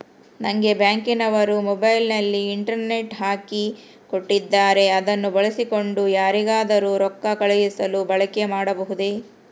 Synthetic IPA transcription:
nɐŋɡe̞bjaːŋkinɐʋɐɾumɔbɐjlnɐlːiːɳʈɐɾne̞ʈɦaːki | koʈːid̪ːaːɾe̞ɐd̪ɐnːubɐɭɐsiko̞ɳɖujaːɾiɡaːd̪ɐɾuɾɔkːɐkɐɭɐjisɐlubɐɭɐke̞maːɽɐbɐɦud̪e

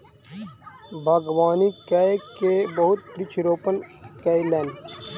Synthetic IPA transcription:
bʱɐɡwaːnikaekebɐɦʊt̪̚pɾit͡ʃʰɾoːpənkaileːn

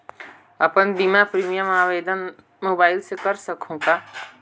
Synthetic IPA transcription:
əpənd̪imãpɾiːmijəmaːweːd̪ən | moːbaːɪlsekəɾsəkʰũka

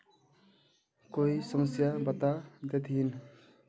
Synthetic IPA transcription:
koisʌmʌsjabat̪ad̪et̪ʰiin

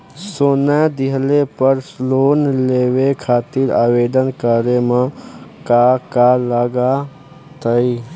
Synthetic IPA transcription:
sonad̪iɦlepəɾsloːnlewekʰaːt̪iɾa̰ːwed̪ənkəɾemekakaləɡa | t̪əi

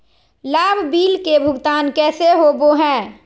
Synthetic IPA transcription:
laːbʱbiːlkebʱʊɡt̪aːnkɛːseɦoboɦɛ̃ː

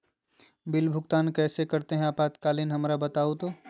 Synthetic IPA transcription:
bɪlbʱʊɡt̪aːnkɛːsekɐɾt̪eɦɛ̃aːpaːt̪kaːlɪnɦɐmɾabɐt̪aːot̪oː

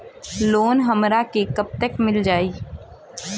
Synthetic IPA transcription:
loːnɦɐmɾakekɐp̚t̪əkmɪld͡ʒaːiː

